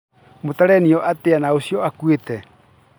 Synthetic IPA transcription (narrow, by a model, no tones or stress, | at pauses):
motaɾɛniɔʔateanaosiɔakwetɛ